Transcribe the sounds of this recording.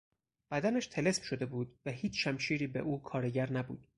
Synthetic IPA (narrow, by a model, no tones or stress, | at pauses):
b̥æd̪ænæʃt̪ʰele̞smʃo̞d̪e̞buːd̪̥væhiːt͡ʃʰʃæmʃiːɾiːbḛʔuːkʰɒːɾeɟæɾnæbṵːd̪̥